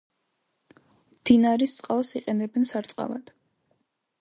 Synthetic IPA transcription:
md̪̥inaɾist̪sʼqʼalˠsiqʼɛnɛbɛnsaɾt̪sʼqʼa̰va̰d̪̥

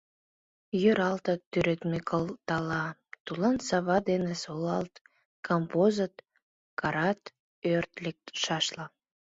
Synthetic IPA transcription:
jøɾɑlt̪ət̪ːyɾøt̪mekʰəlt̪ɑlɑt̪ulɑnsɑβɑd̪enesolɑlt̪ | kɑmpozət̪ | kɑɾɑt̪ | ørt̪lek̚t̪ʃɑʃlɑ

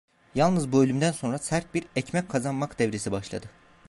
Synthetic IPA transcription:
jalˠnɯzbølʲymd̪ænso̞nɾasæɾt̪̚biɾɛcmɛckʰːazanmakd̪ɛvɾesibaʃlˠa̰d̪ɯ

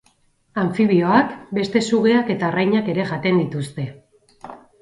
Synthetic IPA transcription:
aɱfiβioakbe̞st̪e̞suɣe̞ake̞t̪arajɲake̞ɾe̞ʝat̪e̞nd̪it̪ust̪e̞

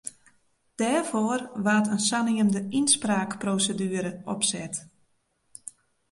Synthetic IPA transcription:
d̥ɛːrforʋaːtənsaniəndəinspraːkprowsədyːəɾəʔɔpsɛt

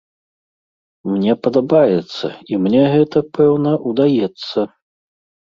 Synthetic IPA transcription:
mnʲɛpɐd̪abajɛt̪sːɐ̰imnʲɛɣɛt̪ɐpʰɛwnɐʔud̪ajɛt̪sːɐ

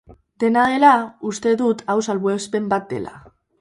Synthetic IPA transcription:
d̪e̞naðe̞laust̪e̞ðut̪ʰawsalβwespe̞mbat̪̚d̪e̞̰la̰

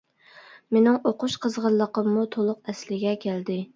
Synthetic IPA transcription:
menɪŋoqʊʃqʰəzʁəllˠːəqəmːut̪ʰolˠʊq̚ɛslɪɡʲɛkʲʰæld̪ɪ

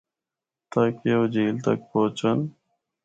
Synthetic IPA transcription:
t̪aːkeoːd͡ʑiːlt̪ə̰k̚poːt͡ʃən

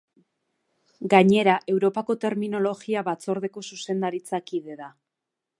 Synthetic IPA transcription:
ɡaɲe̞ɾaʔe̞wɾo̞pako̞t̪e̞ɾmino̞lo̞ɣiaβat͡so̞ɾðe̞ko̞suse̞nd̪aɾit͡sakiðe̞ða

